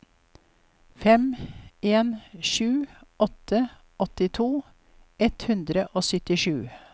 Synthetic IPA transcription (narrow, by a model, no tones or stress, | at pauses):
fɛmeːnʃʉːɔt̪ʰə | ɔt̪ɪt̪ʰuː | ɛt̪hʉnd̪ɾəʔoːsʏt̪ɪʃʉː